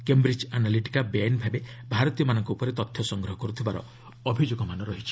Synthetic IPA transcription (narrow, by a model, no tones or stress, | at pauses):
kembɾid͡ʒanaliʈi̥kabanbʱabebʱaɾɔt̪ijɔmanɔŋkuːpɔɾet̪ɔt̪ʰːjɔsɔŋɡɾɔɦɔkɔɾut̪ʰibaɾɔ̰ | ɔbʱid͡ʒoɡɔmanɔɾɔɦit͡ʃʰi̥